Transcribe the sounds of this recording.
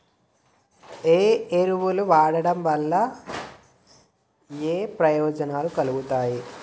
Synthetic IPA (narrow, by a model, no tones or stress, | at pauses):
eːeɾuʋuluʋaːɽɐɽɐmʋɐlːɐ | eːpɾɐjɔːd͡ʒɐnaːlukɐluɡut̪aːji